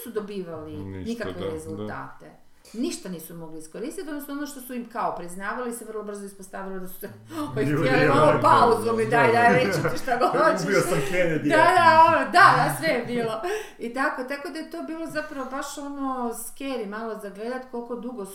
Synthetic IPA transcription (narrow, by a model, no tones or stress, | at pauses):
sud̪o̞biːʋalinikakʋeɾezulˠt̪a̰ːt̪e̞̰ | niʃt̪aniːsumo̞ɡliisko̞ɾist̪it̪d̪nosnoo̞noʃt̪o̞suimkaopɾiznaːʋaliseʋrlˠobr̩zoispost̪aːʋilid̪asu̥seoielimalopauzomid̪ajid̪aɾeiʃt̪aɡoobiosmkɾenedd̪ad̪aod̪ad̪asʋejebiːlˠo | it̪ako̞t̪ako̞d̪ajet̪o̞ːbiːlˠozapɾaʋobaʃo̞noskeːɾimaːlˠozaɡle̞d̪at̪ko̞lko̞d̪uɡos